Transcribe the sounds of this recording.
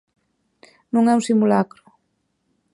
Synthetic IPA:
nũŋɛũsimulakɾʊ̥

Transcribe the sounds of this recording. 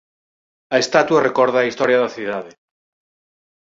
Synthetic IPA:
ɐest̪at̪warekɔɾð̞aːist̪ɔɾjaðɐθið̞aðɪ

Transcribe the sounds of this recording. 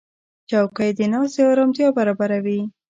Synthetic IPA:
t͡ʃawkajd̪ənɑseawɾamt̪jɑbaɾɑbaɾawi

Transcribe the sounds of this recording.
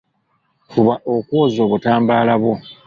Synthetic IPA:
fuβaʔokwoːzo̞ːβutaːmbaːlaβwo

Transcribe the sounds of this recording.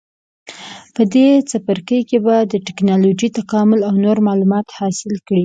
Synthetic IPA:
pəd̪et͡sapəɾkəjkebad̪əʈɪknɑlod͡ʒit̪akɑmʊlawnoɾmɑlumɑt̪hɑsɪlkɽi

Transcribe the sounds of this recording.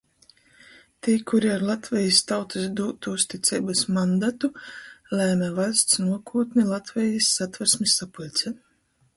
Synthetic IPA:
t̪ʲikʰuɾiaɾlˠat̪vʲɛjist̪awt̪ɨsd̪uːt̪uust̪it̪sʲɛjbasmand̪at̪ulʲæːmɛvajst̪snuɔkʰuːt̪nilˠat̪vʲɛjisːat̪vɛɾsmʲisːapulʲt̪sʲɛ

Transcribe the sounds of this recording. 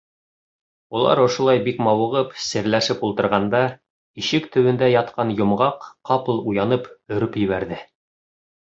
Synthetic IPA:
ulˠɑ̰ɾŏʃŏlˠɑjbikmɑwɤ̆ʁɤpsɘ̆ɾlæʃɘpulˠt̪ɤ̆ɾʁɑnd̪ɑ | iʃɘkt̪ɵ̆wɘ̆nd̪æjɑt̪̚qɑnjŏmʁɑqːɑpɤlˠujɑnɤpɵ̆ɾɵpjɘ̆βæɾðɘ

